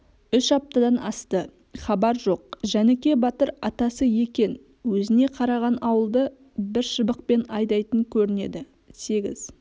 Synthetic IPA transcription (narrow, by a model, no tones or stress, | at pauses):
ʏʃɑp̚t̪ɑd̪ɑnɑst̪ə | χɑbɑɾʒo̞q̚ʒænekʲe̞bɑt̪əɾɑt̪ɑsəje̞kʲe̞n | wɵzɪne̞qʰɑɾɑʁɑnɑwəlˠd̪ə | bɪɾʃəbəq̚pe̞nɑjd̪ɑjt̪əŋkʲʰɵɾɪne̞̰d̪ɪ | se̞ɡʲɪ̰z